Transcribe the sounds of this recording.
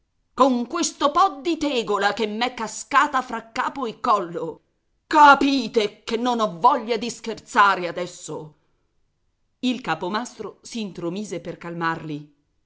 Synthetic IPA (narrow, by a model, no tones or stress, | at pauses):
koŋkwest̪opɔd̪it̪ɛːɡolakemːɛkːaskaːt̪afɾakːaːpoekːɔlːo | kapiːt̪ekenːonɔvːɔʎːad̪iskert̪saːɾead̪ɛsːo̰ | ilkaːpomast̪ɾosiːnt̪ɾomiːzeperkalmarli